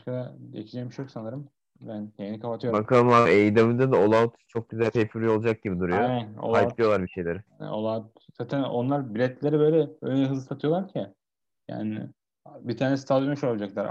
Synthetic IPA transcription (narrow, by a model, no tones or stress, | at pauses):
aʃkad̪aḛcʰid͡ʒɛmiʃjoksanɯɾɯm | bænhʰejinikʰapat̪ʰɯjobakʰalˠɯmaejd̪amɯnd̪ad̪aolˠaut̪ʰu̥t͡ʃʰo̞k̚ɟyzælʲt̪ʰepiɾlʲio̞lˠad͡ʒak̚ɟibid̪uɾujoo̰laj̪ˠijo̞lˠaɾbiʃe̞jlʲeɾɪ̰o̰lˠat | zaːt̪ʰæno̞nlˠaɾbiɾɛt̪lʲe̞ɾibø̞jlʲɛø̰nɛɦɯzɯsat̪ʰɯjo̞lˠaɾcʰɪ | ja̰ːnɪ̰ | bit̪ʰaːnesi̥t̪ʰad̪jomeʃoɾabd͡ʒaklˠaɾ